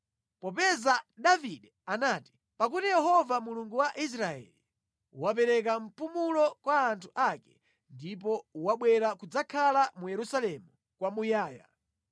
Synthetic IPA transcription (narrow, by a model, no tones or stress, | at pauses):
pɔpɛzaɗaviɗɛanaːti̥ | pak̬utijɛhɔvamuluŋɡuwaʔis̬ɾaɛ̰li | wap̬ɛɾɛk̬am̩pumulɔkwaːntʰuʔakɛ | ndipɔwaɓwɛɾakud͡zakʰalamujɛɾusalɛmu | kwamujaːja̰